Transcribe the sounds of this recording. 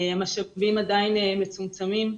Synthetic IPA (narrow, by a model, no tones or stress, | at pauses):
amaʃavimadainemet͡sumt͡samim